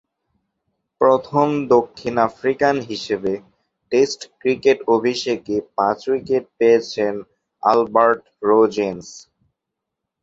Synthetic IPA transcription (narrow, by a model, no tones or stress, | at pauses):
pɾot̪ʰomd̪okʰːinafɾikanɦiʃebe | ʈesʈkɾikeʈobʱiʃekepãt͡ɕwikeʈ̚peet͡ɕʰen | a̰lbaɾʈ | ɾod͡ʑens